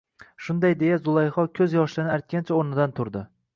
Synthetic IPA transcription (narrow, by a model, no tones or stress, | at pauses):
ʃʊnd̪ajd̪e̞jazʊlˠajχɒkʲʰɵzjɒʃlɪnɪaɾt̪̚kʲant͡ʃʰaoɾnɪd̪ant̪ʰʊɾd̪ɪ